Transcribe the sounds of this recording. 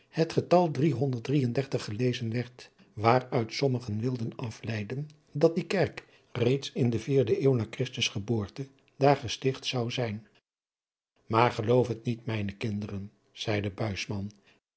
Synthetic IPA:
hətχətɑlˠdriɦɔndəɹt̚drijəndɛɹtəχːəlejzənʋɛɹt | ʋaːrœɥtsɔməχənʋɪlˠdənɑflɛjdən | dɑt̚dikɛɹk | rejtsɪndəviːɹdəʔeːwnaːɹkrɪstəsχəbʊːɹtə | d̥aːɹχəstɪχtsɑwzɛjn | maːɹχəlowfɦətnitmɛjnəkɪndərən | z̥ɛjdəbœɥsmɑn

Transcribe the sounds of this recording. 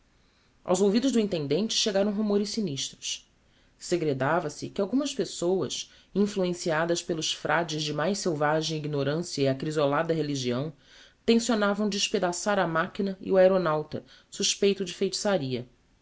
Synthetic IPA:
a̰wzowvid̪ʊʒd̪ʊĩnt̪ẽnd̪ẽnt͡ʃɪ̥ʃeɡaɾɐ̃w̃ɦumoɾɪsiniʃt̪ɾʊs | seɡɾed̪avɐsɪkɪawɡũmɐspesowɐ̰s | ĩfluẽsiad̪ɐspelʊsfɾʔad͡ʒɪzd͡ʒɪmajʃsewvaʒẽj̃iɡnoɾɐ̃siɐiakɾizolad̪ɐɦeliʒiɐ̃w̃ | t̪ẽsionavɐ̃w̃d͡ʒɪʃped̪asaɾɐmakinɐḭuaeɾonawt̪ɐ̰suʃpejt̪ʊd͡ʒɪfejt͡ʃi̥saɾiɐ

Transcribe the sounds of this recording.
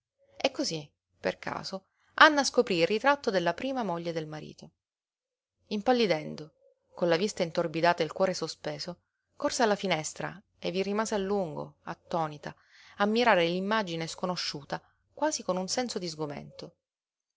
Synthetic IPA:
ekːozi | pḛrkʰa̰ːzo | anːaːskopɾiːrːit̪ɾat̪ːod̪elːapɾiːmamoʎːed̪elmaɾḭːt̪o | impalːid̪ɛnd̪o | konlavist̪aint̪orbid̪aːt̪ailkwɔːɾesospeːzo | korsealːafinɛst̪ɾa̰ | evːirimaːzealːuŋɡo̰at̪ːɔːnit̪a | amːiɾaːɾelimːad͡ʒineskonoʃːuːt̪a | kwaːzikonunsɛnsod̪izɡomḛnt̪o

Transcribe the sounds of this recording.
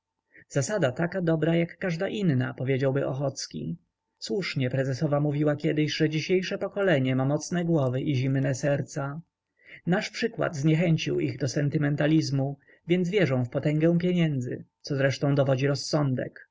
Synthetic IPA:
z̥asad̪at̪akad̪ɔbɾajakːaʐd̪aʔinːa̰pɔvʲjed͡ʑawbɘʔɔxɔt̪skʲḭ | swuʂɲɛpɾɛzɛsɔvamuvʲiwakʲɛd̪ɘɕʐɛd͡ʑiɕejʂɛpɔkɔlɛɲɛmamɔt̪snɛɡwɔvɘʔiʑimnɛsɛɾt̪sa | naʂpʂɘkwa̰d̪zɲɛxɛɲt͡ɕiwiɣd̪ɔsɛnt̪ɘmɛnt̪alʲizmu | vʲjɛnzvʲjɛʐɔ̃w̃fpɔt̪ɛ̃ŋɡɛ̃w̃pʲjeɲɛnd̪zɘ̰t̪sɔzɾɛʂt̪ɔ̃w̃d̪ɔvɔd͡ʑiɾɔsːɔnd̪ɛ̰k

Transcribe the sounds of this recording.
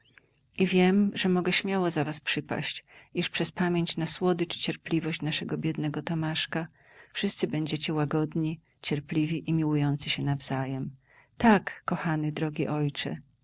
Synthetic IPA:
ivʲjɛmʐɛmɔɡɛɕmʲjawɔzavaspʂɘpa̰ɕt͡ɕiʂpʂɛspamʲjeɲt͡ɕnaswɔd̪ɘt͡ʂɘ̥t͡ɕɛɾplʲivɔɕt͡ɕnaʂɛɡɔbʲjɛd̪nɛɡɔt̪ɔmaʂka | fʂɘst̪sɘbɛɲd͡ʑet͡ɕɛwaɡɔd̪ɲi | t͡ɕɛɾplʲivʲiʔimʲiwujɔnt̪sɘɕɛnavz̥ajɛm | t̪akːɔxanɘd̪ɾɔɡʲiʔɔjt͡ʂɛ̰

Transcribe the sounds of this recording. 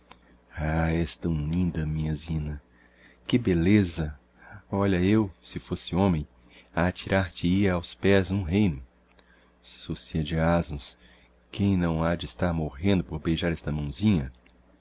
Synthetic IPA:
aɛst̪ɐ̃w̃lĩnd̪ɐmĩɲɐzĩnɐ | kɪbelezɐ | ɔʎɐewsɪfosɪõmẽj̃ | at͡ʃiɾʔaɾt͡ʃɪiɾawspɛznũɦejnʊ | sosiɐd͡ʒɪazmʊ̃s | kẽj̃nɐ̃w̃ad͡ʒɪɪst̪aɾmoʁẽnd̪ʊpoɾbejʒaɾɛst̪ɐmɐ̃w̃zĩɲɐ

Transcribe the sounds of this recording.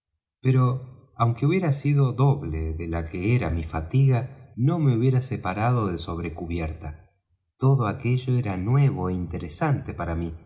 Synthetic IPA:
peɾo̞ | awŋke̞uβjeɾasiðo̞ðo̞βleðelakeeɾamifat̪iɣano̞me̞uβje̞ɾasepaɾað̞o̞ðeso̞β̞ɾekuβjeɾt̪a | t̪oðoake̞ʒoeɾanwe̞β̞oeint̪eɾesant̪epaɾami

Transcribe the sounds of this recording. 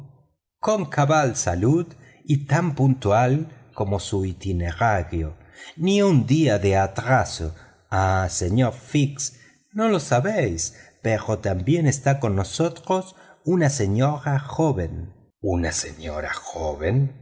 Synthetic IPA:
ko̞ŋkaβalsaluð | it̪ampunt̪ualko̞mo̞suit̪ine̞ɾaɾjo | niund̪iaðeat̪ɾaso | aseɲoɾfiks | no̞lo̞saβejspeɾo̞t̪ambje̞ne̞st̪ako̞nːo̞so̞t̪ɾo̞sunase̞ɲo̞ɾaxo̞βe̞n | unasḛɲo̰ɾa̰xoβen

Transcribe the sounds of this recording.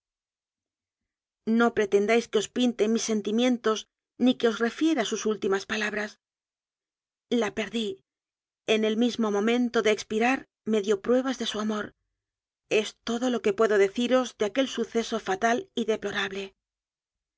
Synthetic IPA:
no̞pɾe̞t̪e̞nd̪ajskeo̞spint̪e̞misːe̞nt̪imjẽ̞nt̪o̞s | nike̞o̞sre̞fje̞ɾasusult̪imaspalaβɾas | lape̞ɾði | e̞ne̞lmizmo̞mõ̞mẽ̞nt̪o̞ðe̞ːkspiɾaɾ | me̞ðjo̞pɾwe̞β̞azðe̞suamo̞ɾ | e̞st̪o̞ðo̞lo̞ke̞pwe̞ðo̞ðe̞θiɾo̞zðeake̞lsuθe̞so̞fat̪aliðe̞plo̞ɾaβle̞

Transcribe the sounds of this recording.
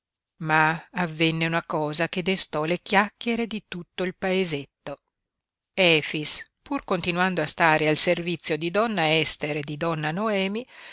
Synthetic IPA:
maːvːenːeunakɔːzaked̪est̪ɔlekjakːeɾed̪it̪ut̪ːoilpaezet̪ːo | ɛːfispurkont̪inwand̪oast̪aːɾealservit̪sːjod̪id̪ɔnːaɛst̪eɾed̪id̪ɔnːanoɛːmi

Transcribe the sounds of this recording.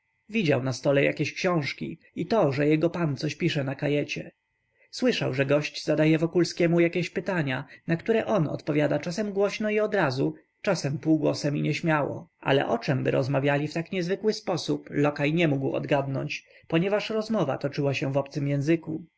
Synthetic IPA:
vʲid͡ʑawnast̪ɔlɛja̰kʲeɕkɕɔ̃w̃ʂkʲḭ | it̪ɔʐɛjɛɡɔpant̪sɔɕpʲiʂɛnakajɛt͡ɕɛ̰ | swɘʂawʐɛɡɔɕt͡ɕzad̪ajɛvɔkulskʲɛmujakʲeɕpɘt̪aɲanakt̪uɾɛʔɔnɔ̰t̪pɔvʲjad̪at͡ʂasɛmɡwɔɕnɔiɔd̪ɾazu | t͡ʂasɛmpuːɡwɔsɛmiɲɛɕmʲjawɔ̰ʔa̰lɛ̰ʔɔt͡ʂɛmbɘ̰ɾʔɔzmavʲjalʲift̪akɲɛzvɘkwɘspɔsuplɔkajɲɛmuɡwɔ̰d̪ɡad̪nɔ̰ɲt͡ɕ | pɔɲɛvaʂɾɔzmɔva̰t̪ɔt͡ʂɘwaɕɛvɔp̚t̪sɘmjɛ̃zɘku

